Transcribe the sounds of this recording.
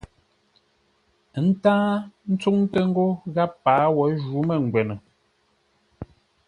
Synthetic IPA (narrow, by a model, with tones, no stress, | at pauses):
n̩˦taː˦n̩˦t͡su˦ŋtə˦ŋ̩˦ɡo˦ɣa˦pːaː˨˦wɔ˨˦ʒu˨˦me˦˨ŋ̩˨ɡwɛ˨nə˨